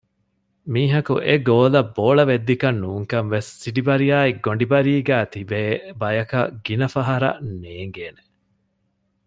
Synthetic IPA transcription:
miːɦɐkuʔeɡoːlɐbːoːɭɐʋed̪ːikɐnːuːŋkɐnʋesːiɖibɐɾijaːiɡoɳɖibɐɾiːɡæːt̪ibeːbɐjɐkɐ̰ɡ̥inɐfɐɦɐɾɐ̰neːŋɡeːne

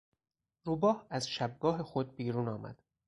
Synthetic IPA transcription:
ɾuːbɒːhæzʃæb̚ɡɒːɦe̞xo̞d̪̚biːɾuːnɒːmæ̰d̪̥

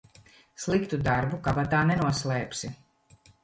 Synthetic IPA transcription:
slˠikt̪ud̪aɾbukabat̪aːnɛnuɔslˠɛːpsʲi

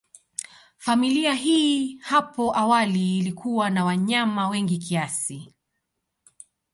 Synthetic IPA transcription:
familiaɦiːhapɔʔawaliːlikʰuwanawaɲamawɛŋɡikiasi

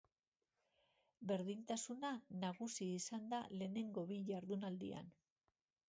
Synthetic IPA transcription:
be̞ɾðint̪asunanaɣusiːsand̪ale̞ːne̞ŋɡo̞βiʝaɾðunald̪ḭa̰n

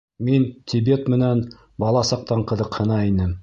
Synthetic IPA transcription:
mint̪ʲʰibe̞t̪mɘ̆næn | bɑlˠɑsɑq̚t̪ɑɴqɤ̆ðɤqhɤ̆nɑinɘm

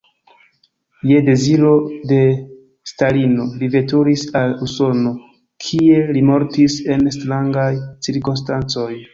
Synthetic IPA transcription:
je̞de̞ziɾo̞de̞ | stalino̞live̞tuɾisaluso̞no̞ | kʰie̞limo̞ɾtise̞nstɾaŋɡajt͡siɾkons̬tant͡so̞j

